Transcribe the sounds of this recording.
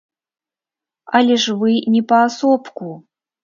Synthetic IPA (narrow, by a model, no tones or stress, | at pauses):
alʲɪʐvɨnʲipaːsopku